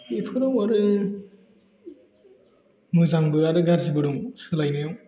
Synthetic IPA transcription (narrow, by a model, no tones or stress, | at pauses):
ipʰɯɾɔwaɾɯ | mɯzaŋbɯaɾɯɡaɾzibɯɾɔŋsɯlajnɯjaw